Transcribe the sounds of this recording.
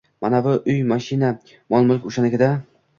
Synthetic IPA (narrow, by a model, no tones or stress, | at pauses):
manavʊʔʊjmaʃɪna | mɒnˠmʊlkʲʊʃanɪɡʲɪd̪a